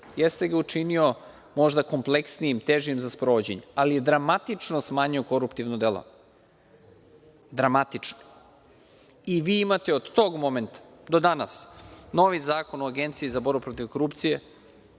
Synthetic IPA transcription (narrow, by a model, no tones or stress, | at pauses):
jest̪e̞ɡaut͡ʂinio̞ | mo̞ʒd̪ako̞mplˠeksniimt̪eʒiimzaspɾoʋod͡ʑḛɲealijed̪ɾamat̪it͡ʂnosmaːɲioko̞ɾupt̪iʋnod̪elˠo̰ | d̪ɾamat̪it͡ʂno̥ | iʋiːimat̪e̞od̪t̪o̞ːɡmo̞ment̪ḁd̪o̞d̪anasno̞ʋizaːko̞noaɡe̞nt̪siizabo̞ɾbupɾo̞t̪iʋko̞ɾupt̪sije̞